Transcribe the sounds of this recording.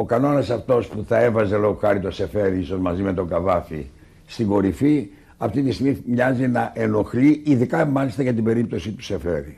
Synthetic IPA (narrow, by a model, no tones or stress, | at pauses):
o̞kɐno̞nɐsɐft̪o̞spuθɐevɐze̞lo̞ɣoxɐɾit̪o̞se̞fe̞ɾiiso̞zmɐzime̞t̪o̞ɡɐvɐfḭ | st̪iɡo̞ɾifi | ɐft̪it̪ist̪iɣmimɲɐzinɐʔeno̞xliiðikɐmɐlist̪ɐʝɐt̪ibe̞ɾip̚t̪o̞sit̪u̥se̞fe̞ɾḭ